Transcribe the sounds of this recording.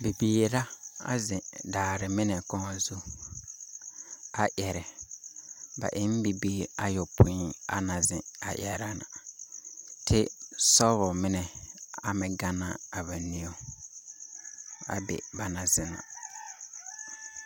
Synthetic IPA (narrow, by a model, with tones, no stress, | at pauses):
be˨biː˨la˦a̰˦zɪ̃˨daː˨ɾɪ˨mɪ˦nɛ˨kɔ˦ŋɔ˨zu˦ | a˨ʔɛ˨ɾɛ˨ | ba̰˨ʔɪ˦m˦bi˨biː˦˨a˦jɔ˨pʰʊ̃˨˦i˦a̰˦nã˨zɪ̃˨a̰˨ʔjɛ˨ɾa˦na˨ | tʰɪ˦sɔ˦ɾɔ˨mɪ˦nɛ˨a˨mɪ̃˨ɡa˦na˦a˨ba˨nĩ˦o˦ | a̰˨bɛ̰˨ba˨nã˨zɪ˦nã̰˨